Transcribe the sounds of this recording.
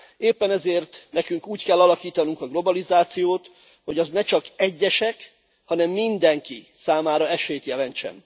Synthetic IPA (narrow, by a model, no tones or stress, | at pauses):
eːpːɛnɛzeːrt̪nɛkyŋkuːckɛlːɒlɒkiːt̪ɒnuŋkɒɡlo̞bɒlizaːt̪sijoːt̪ | ho̞ɟɒznɛt͡ʃɒkɛɟːɛʃɛk | hɒnɛmːind̪ɛŋki | saːmaːɾɒɛʃeːt̪jɛlɛnt͡ʃɛ̰n